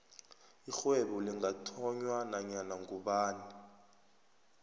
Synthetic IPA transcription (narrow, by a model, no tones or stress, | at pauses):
ixwɛɓɔliŋʱatʰɔɲwanaɲanaŋɡuɓaːni